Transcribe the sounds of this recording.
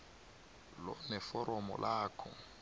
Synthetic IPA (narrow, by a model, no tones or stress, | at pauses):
lɔnɛfɔɾɔmɔ̰lʔaːkʰɔ